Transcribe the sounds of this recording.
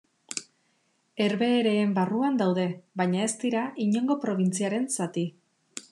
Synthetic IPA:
e̞ɾβe̞ːɾe̞ːmbaruand̪awð̞e̞βajɲae̞st̪iɾaʔiɲo̞ŋɡo̞pɾo̞β̞int͡siaɾe̞nsat̪i

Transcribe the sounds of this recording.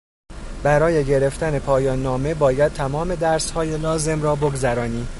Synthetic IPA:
b̥æɾɒːje̞ɟe̞ɾe̞ft̪æne̞pʰɒːjɒːnːɒːme̞bɒːjæd̪̚t̪ʰæmɒːme̞d̪æɾshɒːje̞lɒːze̞mɾɒːboɡzæɾɒːniː

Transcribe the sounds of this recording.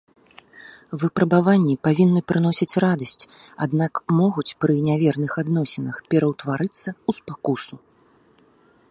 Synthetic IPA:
vɨpɾɐbavanʲːipavʲinːɨpɾɨnɔsʲit͡sʲrad̪ɐsʲt͡sʲa̰d̪nakmɔɣut͡sʲpɾɨnʲavʲɛrnɨxad̪nɔsʲɛnɐxpʲɛɾɐwt̪vaɾɨt̪sːɐuspakusu

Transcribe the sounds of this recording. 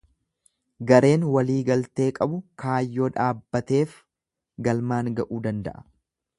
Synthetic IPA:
ɡɐɾe̞ːnwɐliːɡɐlt̪e̞ːkʼɐbʊkʰaːjːoːᶑaːbːɐt̪e̞ːf | ɡɐlmaːŋɡɐʔuːd̪ɐnd̪ɐ̰ʔɐ̥

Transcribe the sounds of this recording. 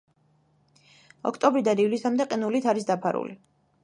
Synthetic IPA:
ɔ̰kʰt̪ʼɔbɾid̪anivlisamd̪ɛqʼinulit̪ʰaɾis̬d̪apʰaɾṵli

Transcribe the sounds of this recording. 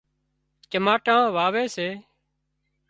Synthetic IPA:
t͡ʃəmaːʈãːʋaːʋeːseː

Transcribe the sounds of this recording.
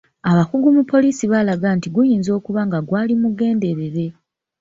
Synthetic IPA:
aβakuɡumupːo̞liːsiβalaɡaːntiɡujiːnzo̞ːkuβaŋɡaɡwaːlimuɡe̞ːnde̞ɾe̞ɾe̞

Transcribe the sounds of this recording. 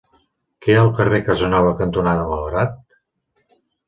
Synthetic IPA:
keəlˠkərekəzənɔβ̞əkənt̪unaðəməlˠɣɾat̪̚

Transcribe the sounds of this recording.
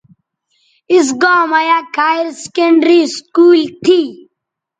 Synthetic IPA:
is̬ɡaːmajaːkaːjɾskẽɳɖɾiːskuːlt̪ʰiː

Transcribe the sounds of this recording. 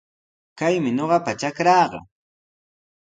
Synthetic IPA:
kajmɪɲoɢɑpat͡ʃakɾɑːɢɑ̰

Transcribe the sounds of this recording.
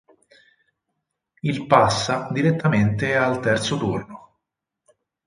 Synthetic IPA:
ilpasːad̪iɾet̪ːament̪ealt̪ɛrt̪sot̪urno

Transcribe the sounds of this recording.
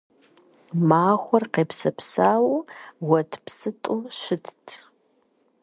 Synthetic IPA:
maːxʷɔrqeːpsɐpsaːwwɐtʰpsɨtʼuʃɨtʰtʰ

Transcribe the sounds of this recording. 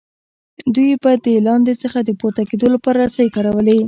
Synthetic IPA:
d̪ujbad̪əlɑnd̪et͡səxad̪əpoɾt̪aked̪olapɑɾasajkɑɾawəle

